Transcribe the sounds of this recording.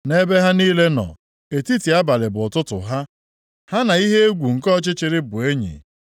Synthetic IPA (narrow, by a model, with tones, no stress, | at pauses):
ne˦be˦ɦa˦niː˦le˦nɔ̰˨ | e˨ti˦ti˨a˦ba˨lɪ˨bʊ˨ʊ˨tʊ˦tʊ̰˨ɦa˦ | ha˦na˨i˦ɦe˦e˦ɡʷu˨ŋ̩˨kɔ˦t͡ʃɪ˦t͡ʃɪ˨ɾɪ˦bʊ˨e˦ɲḭ˨